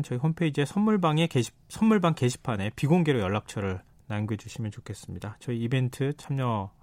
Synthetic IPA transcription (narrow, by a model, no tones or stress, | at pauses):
nt͡ɕʌiɦonpʰe̞id͡ʑe̞sʰʌnmuɭbaŋe̞ke | sʰʌnmuɭbaŋke̞ɕʰi̥pʰane̞piɡoŋɡeɾojʌɭːak̚t͡ɕʰʌɾɯɭ | nanɡued͡ʑuɕʰimjʌnt͡ɕokʰe̞s͈ɯmɲidat͡ɕʌiːbe̞ntʰɯt͡ɕʰamɲʌ